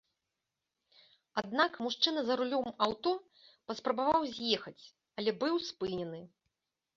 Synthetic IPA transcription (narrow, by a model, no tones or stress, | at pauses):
ad̪̚nakmuʂt͡ʂɨnɐzɐɾulʲɔmawt̪ɔ | pɐspɾɐbavawzʲjɛxɐt͡sʲ | ɐlʲɛbɨwspɨnʲɛnɨ